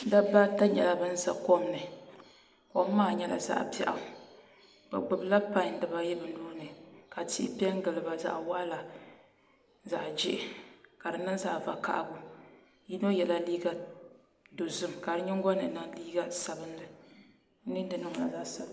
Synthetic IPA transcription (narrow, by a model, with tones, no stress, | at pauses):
da˦ba˦ta˦ɲɛ˨la˨bɨ˦n̩˦za˦ko˦m˦nɨ˨ | ko˦maː˦˨ɲɛ˦la̰˨za̰˦ʔpɛ˦˨ʔa̰˨ | ba̰˨ɡ͡bʊ˨bɨ˦la˦pã˦ɲ˨n˦dɨ˨ba˦jɛ˦bɨ˨ndoː˦nɨ˨ka˨tḭ˦pi˦ɛ˦ŋ˦ɡɨ˨lɨ˨ba˨za̰˦ʔwa˦la˨ | za̰˨ʔd͡ʒɪ˦ʔɪ˦ka˨dɨ˨nɨ˦ŋza˨va̰˨ka̰˨ʔbʊ˨ | ji˦no˦jɛ˨la˦liː˦ɡa˦ | do˨zʊ˦mka˨ɾɨ˦ɲɪ˦ŋɡɔ˦nɨ˨˦nɨ˨ŋliː˦ɡa˦sa˨bɨ˦nlɨ˨˦ | nɨ˦n˦dɨ˨nɨ˦ŋ˨la̰˨za˦ʔsa˨b